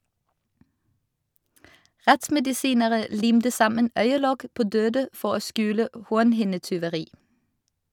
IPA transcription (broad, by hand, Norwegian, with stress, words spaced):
ˈʁɛtsmɛdɪˌsiːnəʁə ˈliːmtə ˈsɑmən ˈœʏəˌlɔk ˈpoː ˈdøːdə ˈfɔʁ ˈoː ˈskʉːlə ə ˈhuːʁnhɪnətʏʋəˌʁiː